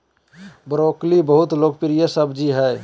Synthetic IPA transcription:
bɾoːklibəɦʊt̪loːɡ̚pɪɾijəsəbd͡ʒiɦɛ

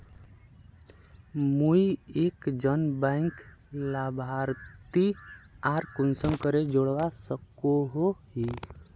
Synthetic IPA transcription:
muiekd͡ʒənbãɪŋk | labʱaɾt̪iaːɾkunsəmkəɾed͡ʒoɽʋasəkoɦoɦi

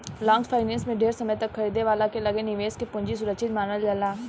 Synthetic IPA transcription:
lãːŋɡpʰaːɪnɛ̃ːnsmẽɖʱeːɾsəməjt̪ɐkʰːɐɾiːd̪eʋaːlakelɐɡenɪʋeːskepʊ̃ɲd͡ʒisʊɾəkʃʰɪt̪maːnəld͡ʒəlaː

